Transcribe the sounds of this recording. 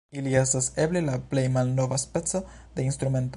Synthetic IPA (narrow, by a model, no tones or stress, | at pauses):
iliestaseblelaplejmalno̞vaspet͡so | d̪e̞inst̪ɾume̞nt̪o